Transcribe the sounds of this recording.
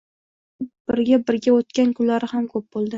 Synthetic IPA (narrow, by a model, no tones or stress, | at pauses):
b̥ɪɾɡʲabɪɾɡʲaot̪̚kʲankʰʊnlaɾɪhamkʰɵp̚bolˠd̪ɪ